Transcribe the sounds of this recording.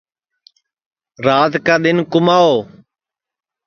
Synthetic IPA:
ɾaːt̪kaːɗ̪ɪnkʊmaːoː

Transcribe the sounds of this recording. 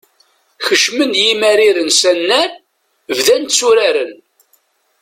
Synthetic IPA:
çəʃmənjimæɾiɾənsænːæn | vðænt̪sːuɾaɾən

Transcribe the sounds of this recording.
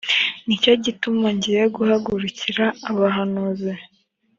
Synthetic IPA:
nicoɟitumaɲɟiɾeɡuhaɡuɾuciɾaːβaɦanuzi

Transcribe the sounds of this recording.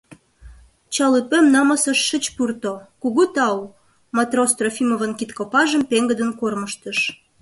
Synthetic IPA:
t͡ɕɑlɨpømnɑmɑsəʃːət͡ɕpurt̪okuɣut̪ɑw | mɑt̪rost̪rofimovənkit̪kopɑʒəmpeŋɡəd̪ənkorməʃt̪əʃ

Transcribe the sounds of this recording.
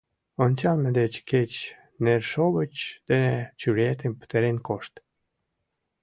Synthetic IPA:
ont͡ɕɑlmĕd̪et͡ɕket͡ɕ | nerʃoβət͡ɕd̪̥enet͡ɕyɾet̪empə̥t̪eɾenkoʃt̪

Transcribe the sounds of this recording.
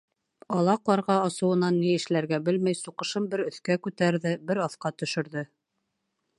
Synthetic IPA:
ɑlˠɑqlˠɑɾʁɑɑsɤ̆wɤ̆nɑnːiɘ̆ʃlæɾɡæbɘlmæjsuqɤ̆ʃɤmbɘɾɵ̆θkækʉt̪æɾðɘbɘɾɑθqɑt̪ɵ̆ʃɘ̆ɾðɘ

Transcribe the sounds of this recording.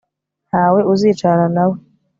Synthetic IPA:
n̥haːwe̞uziːt͡ʃaɾanawe

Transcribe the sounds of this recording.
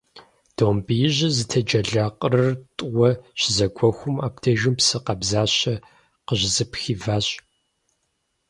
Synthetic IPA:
d̥oːmbijɪʑɐzɨtʰɐd͡ʒɐɮaqʼərɐrtʼʊwɐʃɪzɐɡʷʰɔxʷʊmaːptʰɐʒɪmpsɨqɐbzaːɕɐ | qəʑzɨpxiːvaːɕʼ

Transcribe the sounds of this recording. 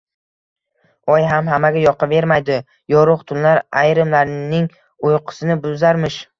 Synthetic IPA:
ɒjɦamɦamaɡʲajɒqʰɨve̞ɾmajd̪ɪ | jɒɾʊqt̪ʰʊnlaɾajɾɪmlaɾnɪŋ | ojqʰɨ̥sɪnɪbʊzaɾmɪʃ

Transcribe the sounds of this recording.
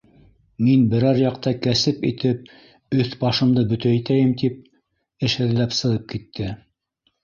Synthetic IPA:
minbɘ̆ɾɑɾjɑqt̪ɑkæsɘpḭt̪ɘp̚ | ɵθbɑʃɤ̆md̪ɤbɵ̆t̪æit̪æjɘmt̪ip̚ | ɘ̆ʃhɘ̆ðlæpsɤ̆lˠɤp̚kit̪ʰːɘ

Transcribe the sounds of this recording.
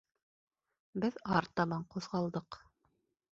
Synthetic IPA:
bɘðɑɾt̪ɑβɑɴquðʁɑlˠd̪ɤq

